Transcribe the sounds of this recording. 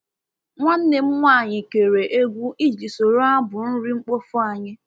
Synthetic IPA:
ŋʷa˦n̩˦ne˨m̩˦ŋʷa˦˨ɲɪ˨ke˨ɾe˨ʔe˦ɡʷu˦i˦d͡ʒi˨so˨ɾo˦a˦bʊ˨n̩˦ɾi˦ŋ͡m̩˦k͡po˦fʊ˦a˨ɲɪ˦

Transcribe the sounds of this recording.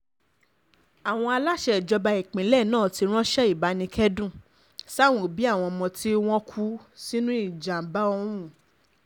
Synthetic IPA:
a˨w̃ɔ̃˧a˧la˦ʃɛ˧˨d͡ʒɔ˧ba˧i˨k͡pĩ˨˦lɛ˦˨nãː˦˨ti˧ɾ̃ɔ̃˦ʃɛ˦i˦˨ba˨˦nĩ˧kʰɛ˦dũ˦˨ | sa˦˨w̃ũ˨bi˨˦a˦˨w̃ɔ̃˧mɔ̃˧ti˦w̃ɔ̃˦kʰu˦si˦nũ˦i˦˨d͡ʒa˨ba˦ɔ˧˦wũ˦˨

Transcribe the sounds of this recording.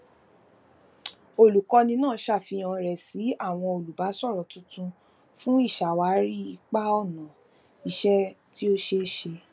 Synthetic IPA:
o˦˨lu˨kɔ˧nĩ˧nãː˦˨˦ʃa˦˨fi˧j̃ã˧ɾɛ˨si˨˦a˦˨w̃ɔ̃˧o˨lu˨ba˨˦sɔ˦˨ɾɔ˨tũ˦tũ˧ | fũ˦i˦˨ʃa˨wa˨˦ɾi˦i˧k͡pa˦ɔ˦˨nã˨ | i˧ʃɛ˦ti˦o˦ʃe˦ʃe˧

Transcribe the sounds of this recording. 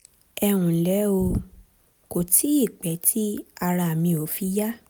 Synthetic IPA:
ɛ˧w̃ũ˨lɛ˨˦o˧ | ko˨tʰi˨˦i˦˨k͡pɛ˨˦tʰi˦a˧ɾa˧˨mĩ˧o˨˦fi˧˦ja˦

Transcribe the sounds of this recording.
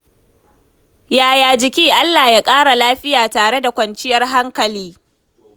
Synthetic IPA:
jaː˨jaː˨d͡ʒɪ˨kʲiː˦ʔa˦lːaː˨jaː˦kʼaː˦ɽa˨laː˦ɸɪ˦jaː˨taː˨ɽe˦da˨kʷɐ˨nt͡ʃɪ˦jɐ˦rɦa˦ŋkɐ˨liː˦

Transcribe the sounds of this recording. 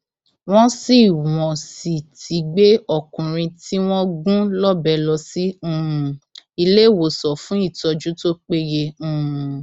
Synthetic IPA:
w̃ɔ̃˦si˦˨w̃ɔ̃˨si˨tʰi˨˦ɡ͡be˦ɔ˦˨kũ˨ɾ̃ĩ˧ti˦w̃ɔ̃˦ɡũ˦lɔ˦bɛ˧˦lɔ˧si˦ũ˦˨i˧le˦˨wo˨sɔ˨fũ˨˦i˦˨tɔ˧d͡ʒu˦to˦k͡pe˦je˧ũ˦˨

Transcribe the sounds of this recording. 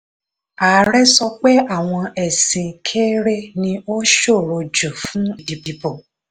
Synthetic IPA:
a˨˦ɾɛ˦sɔ˧k͡pɛ˦ʔa˦˨w̃ɔ̃˧ɛ˨sĩ˨kʰe˦ɾe˦nĩ˧o˦ʃo˦˨ɾo˧d͡ʒo˨fũ˦i˦˨di˨bi˨bɔ˨

